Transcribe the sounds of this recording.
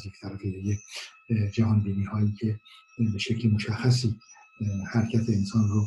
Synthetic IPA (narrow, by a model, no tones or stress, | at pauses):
jekt̪ʰæɾfiɾeje | d͡ʒæɦɒːnbiːniːhɒːiːcʲʰe̞ | beʃecʰʲlemoʃæxːæs̬iː | hæɾcʲʰæt̪ʰeːnsɒːnro